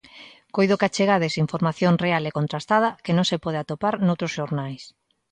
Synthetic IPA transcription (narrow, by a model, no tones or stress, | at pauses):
kojðokat͡ʃeɣaðesiɱfoɾmaθjoŋrealekont̪ɾast̪að̞ɐkenõŋsepɔðeat̪opaɾnowt̪ɾosʃoɾnajs